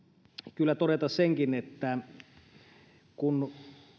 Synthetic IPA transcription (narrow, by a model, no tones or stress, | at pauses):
kylːæt̪oɾet̪ɑsseŋkinet̪ːæ | kun